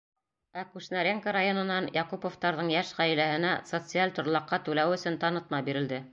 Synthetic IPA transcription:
ækʉʃnaɾʲeŋkəɾajonɤ̆nɑnjɑqupoft̪ɑɾðɤɴjæʃʁæj̆læhɘ̆næsot̪sɨalʲt̪ŏɾlˠɑqːɑt̪ʉlæwɵ̆sɵnt̪ɑnɤ̆t̪̚mɑbiɾɘ̆ld̪ɘ

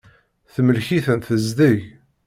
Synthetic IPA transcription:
θməlçiθənθəzd̪əj

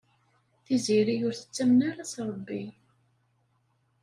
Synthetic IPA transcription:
θiziɾijʊɾθə̥t͡sːæmnaɾasɾˤəbːi

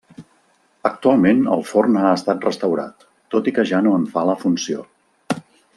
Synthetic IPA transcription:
ək̚t̪ualˠmenə̰lˠfornaəst̪at̪̚rəst̪əwɾa̰t̪ː | ot̪ikəʒanoəɱfaləfunsio̰

